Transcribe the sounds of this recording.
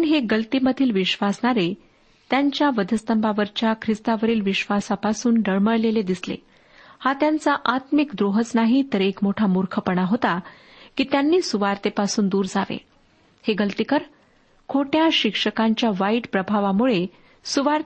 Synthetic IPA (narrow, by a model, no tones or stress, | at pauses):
ɳɦeɡəlt̪iːməd̪ʱiːlʋiɕʋasɳaɾe | t̪jaɲt͡ɕjaʋəd̪ʱəst̪əmbaʋəɾt͡ɕjakʰɾist̪aʋəɾiːlʋiɕʋasapasuːnɖəɭməɭleled̪islḛ | hat̪jant͡saʔat̪mikd̪ɾoɦət͡snaɦiːt̪əɾekmoʈʰamuɾkʰəpəɳaɦot̪a | kiːt̪janːiːsuʋaɾt̪epasuːnd̪uːɾd͡zaʋḛ | heɡəlt̪ikəɾ | kʰoʈjaɕikʂəkaɲt͡ɕjaʋaiʈpɾəbʱaʋamuɭe | suʋaɾ